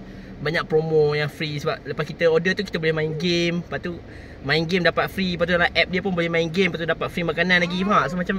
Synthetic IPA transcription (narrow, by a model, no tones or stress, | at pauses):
baɲak̚pɾomojaŋfɾisəbap̚ləpaskit̪əodət̪ukit̪əbolɛhmainɡempaʔt̪u | mãinɡemdapat̪̚fɾipat̪udalaʔɛp̚diəp̬ʊnbolɛhmainɡempat̪udapat̪̚fɾimakananlaɡiaʔsumat͡ʃam